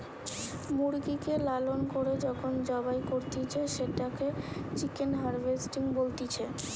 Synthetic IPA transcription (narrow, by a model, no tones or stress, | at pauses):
muɾɡikelalonkoɾed͡ʑɔkʰond͡ʑɔbajkoɾt̪it͡ɕʰeʃeʈaket͡ɕikenɦaɾbesʈiŋbolt̪it͡ɕʰe